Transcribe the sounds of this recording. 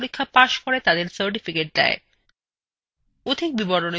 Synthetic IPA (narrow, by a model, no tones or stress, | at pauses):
ɾikʰːapaʃkoɾet̪ad̪eɾsəɾʈ̬ifikeʈ̚d̪ɛ̰e | ud̪ʱik̚biboɽone